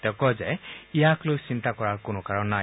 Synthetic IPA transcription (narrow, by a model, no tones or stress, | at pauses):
tɔkɔzɛijaklosint̪akɔɹaɹkʊnɔkaɹɔnːa